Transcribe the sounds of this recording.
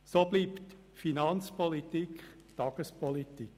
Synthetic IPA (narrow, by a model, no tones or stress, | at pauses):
soːb̥liːpt | finɑnt͡spɔlit̪ikχ | tɑɡ̥əspɔlitik